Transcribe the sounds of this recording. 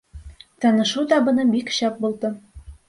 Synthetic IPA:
t̪ɒnɤ̆ʃud̪ɒbɤ̆nɤbikɕɑp̚bulˠd̪ɤ

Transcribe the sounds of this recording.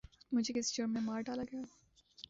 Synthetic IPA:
mʊd͡ʒʱekɪst͡ʃomẽmaːɾɖaːlaɡɐja

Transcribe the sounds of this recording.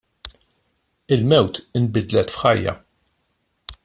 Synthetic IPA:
ɪlmɛwt̪ɪmbɪd̪lɛt̪fħɐjːɐ̰

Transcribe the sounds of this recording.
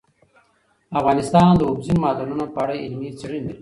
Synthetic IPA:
afɣɑːnɪst̪ɑːnd̪əʊbzimɑːd̪anunopaːɽeɪlmit͡siɽind̪i

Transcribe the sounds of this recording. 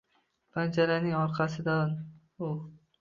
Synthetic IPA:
pʰand͡ʒaɾanɪŋɒɾqʰɑsɪd̪an | ʊ

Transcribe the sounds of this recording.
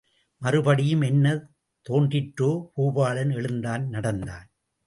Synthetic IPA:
mɐɾɯbɐɽɪjɯmɛnːɐ | t̪oːɳdrɪʈɾoːkuːbaːɭɐnɛɭɯnd̪aːnnɐɽɐnd̪aːn

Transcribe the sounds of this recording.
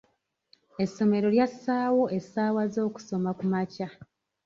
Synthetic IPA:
e̞sːo̞me̞ɾo̞ljasːaːwo̞ʔe̞saːwazo̞ːku̥so̞makumaca

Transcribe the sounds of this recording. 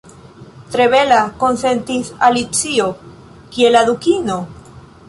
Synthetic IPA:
t̪ɾeβelakonsent̪isalit͡sio | kielaðukino

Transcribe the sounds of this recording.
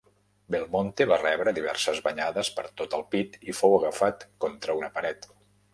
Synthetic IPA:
belˠmont̪eβarɛβɾəðiβ̞ɛ̰ɾsəzβəɲaðəspəɾt̪ot̪əlˠpit̪ifowəɣəfat̪kɔnt̪ɾəunəpəɾɛt̪

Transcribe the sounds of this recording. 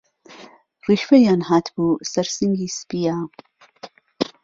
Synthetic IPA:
riːʃfɛjaːnhaːt̪ʰb̥uːsɐɾsiŋɡiːspiːjaː

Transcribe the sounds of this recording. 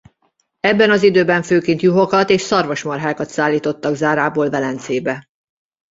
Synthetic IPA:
ɛbːɛnɒzid̪øːbɛɱføːkint̪juɦo̞kɒt̪eːʃsɒrvo̞ʃmɒrɦaːkɒt̪saːlːiːt̪o̞t̪ːɒɡzaːɾaːboːlvɛlɛnt̪seːbɛ

